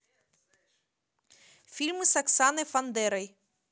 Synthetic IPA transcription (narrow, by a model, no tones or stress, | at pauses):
fʲilʲmɨsɐksanɨfɐnd̪ɛɾɐj